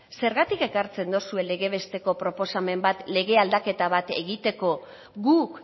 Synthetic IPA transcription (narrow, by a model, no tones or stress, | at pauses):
se̞ɾɣat̪ike̞kaɾt͡se̞nd̪osue̞le̞ɣe̞βe̞st̪e̞ko̞pɾo̞po̞same̞mbat̪le̞ɣ̞e̞ald̪ake̞t̪aβ̞at̪e̞̰ɣit̪e̞ko̞ | ɣuk